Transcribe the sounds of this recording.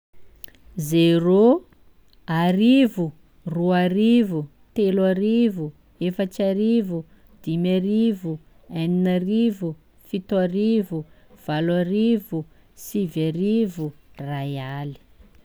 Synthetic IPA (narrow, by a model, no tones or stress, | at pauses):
zero | aɾivu | ruaɾivu | t̪elaɾivu | efat͡ʃaɾivu | d̪̥imaɾivu | aninaɾivu | fit̪aɾivu | v̥alwarivu | sivaɾivurajali̥